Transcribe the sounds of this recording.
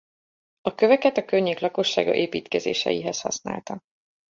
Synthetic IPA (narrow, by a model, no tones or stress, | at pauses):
ɒkøvɛkɛt̪ɒkøɲːeːklɒko̞ʃːa̰ːɡɒ̰ʔeːpiːt̪kɛzḛːʃɛ̰jiɦɛshɒ̰sna̰ːlt̪ɒ